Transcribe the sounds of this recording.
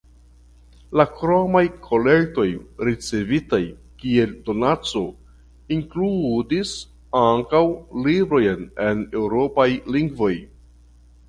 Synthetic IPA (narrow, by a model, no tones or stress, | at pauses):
lakɾomajkʰo̞le̞ɾto̞jɾit͡se̞vitaj | kie̞ldo̞nat͡so̞ | iŋkludis | aŋkawlibɾo̞jne̞ne̞wɾo̞pajliŋɡvo̞j